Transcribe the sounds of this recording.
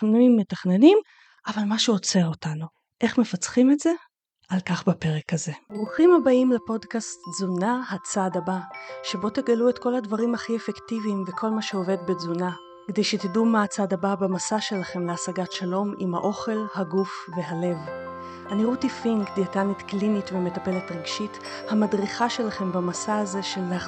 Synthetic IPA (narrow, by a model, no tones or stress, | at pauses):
nimːetaχne̞nim | ʔavalmaʃuot͡se̞ʁotanu | ʔe̞χme̞fat͡sχimetz̥e̞ | alkaχbape̞ʁekaze̞bʁuχimabaimlepo̞dkastzunaɦat͡sadabaʃe̞bo̞teɡaluetkoladvaʁimhaχiefektivimvekʰo̞lmaʃeo̞ve̞dbed͡zuna | kedejʃet̪idumat͡sadababamasaʃe̞laχe̞mleasaɡatʃalo̞mimhaʔo̞χe̞lhaɡufve̞ɦale̞v | aniʁutifiŋɡd̪iatanitklinitvemetape̞letʁeɡʃit | hamadʁiχaʃe̞laχe̞mbamasaaze̞ʃelːea